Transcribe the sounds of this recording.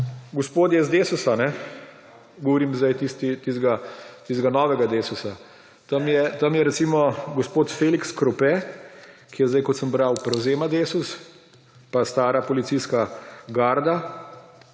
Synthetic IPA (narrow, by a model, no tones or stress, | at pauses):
ɡɔspoːd̪jɛzd̪eːsusanɛ | ɡɔʋɔɾiːmzd̪ajt̪ist̪it̪izɡat̪isɡanɔːʋɛɡad̪eːsusa | t̪amjɛt̪amjɛɾɛt̪simɔɡɔspoːt̪feːlikskɾɔpɛ | kijɛzd̪ajkɔt̪səmbɾawpɾɛwzeːmad̪esus | past̪aːɾapɔlit̪siskaɡaɾd̪a